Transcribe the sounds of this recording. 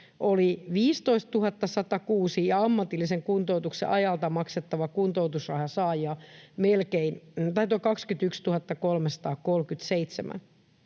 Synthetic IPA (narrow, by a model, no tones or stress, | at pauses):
ʔoliʋiːst̪oist̪t̪uhɑt̪ːɑsɑt̪ɑkuːsijɑɑmːɑt̪ilːiseŋkunt̪out̪uksḛʔɑjɑlt̪ɑmɑkset̪ːɑʋɑkunt̪out̪usrɑhjɑsɑːjiɑmelkeint̪ɑit̪okɑkskyt̪ykst̪uhɑt̪ːɑkolmesɑ̥t̪ɑːkkolkyt̪seit̪semæ̰n